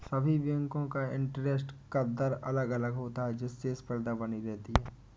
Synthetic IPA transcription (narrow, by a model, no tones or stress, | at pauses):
sɐbʱiʋjə̃ŋkõkaɪ̃ɳʈɾes̬ʈkɐd̪əɾɐləɡɐləɡɦoːt̪aɦɛd͡ʒɪsːespəɾd̪abɐniɾɛɦt̪iɦɛː